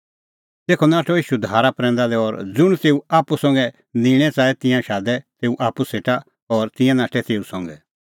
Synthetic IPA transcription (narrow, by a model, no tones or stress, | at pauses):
t̪eːkʰonaːʈʰɔiːʃud̪ʱaːɾapɾɛ̃ːnd̪alɛɔɾd͡zʊɽ̃t̪eːuaːpusɔ̃ŋɡɛ | nĩɽ̃ɛt͡saːɛt̪ɪ̃jãʃaːd̪ɛt̪eːuʔaːpuseːʈa | ɔːɾt̪ɪ̃jãnaːʈʰɛt̪eːusɔ̃ŋɡɛ